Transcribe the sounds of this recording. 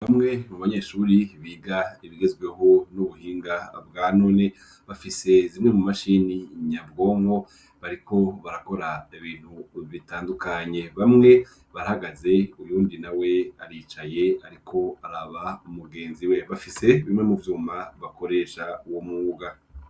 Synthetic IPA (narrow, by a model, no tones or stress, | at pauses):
βamŋe̞muβaɲe̞ʃuːɾiβiːɡaiβiɡe̞zɡwe̞ɦo̞nuβuhiːŋɡabɡaːno̞ne | βafise̞zimŋe̞mumaʃiniɲabɡo̞ːŋho̞ | βaɾikʰo̞βaɾako̞ɾaiβiːn̥huβitaːndukaɲe̞βamŋe̞ | βaɾahaɡaze̞ujuːndinawe̞aɾiːt͡ʃaje̞aɾikʰo̞aɾaβaumuɡe̞ːnziwe̞βafise̞βimŋe̞muvjuːmaβako̞ɾe̞ːʃawomuɡa